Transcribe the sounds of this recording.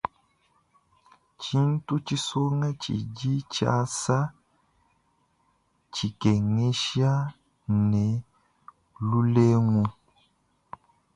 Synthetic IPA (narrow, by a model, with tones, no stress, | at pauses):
t͡ʃi˦n̩˦tu˦t͡ʃi˦so˦ŋa˦t͡ʃḭ˨ɟi˦t͡ʃa̰˦sa˦ | t͡ʃi˨ke˨ŋe˦ʃia˦ | ne˨ | lu˦le˦ŋu˦